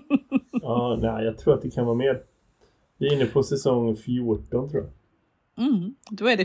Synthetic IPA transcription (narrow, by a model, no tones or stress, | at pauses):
ɑːnæɪjɑːɡ̚t̪ʰɾuːɾat̪̚d̪ɛkʰanvɑːɾmeːɾ | vɪɪnːəpʰɔsɛsɔŋːfjuːʈɔnt̪ʰɾuːja̰ | d̪ɔɛɖɛ